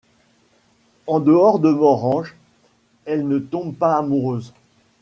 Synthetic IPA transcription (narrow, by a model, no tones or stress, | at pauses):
ɑ̃d̪əɔʁd̪əmɔʁɑ̃ʒ | ɛlnət̪ɔ̃bpaːmuʁøːz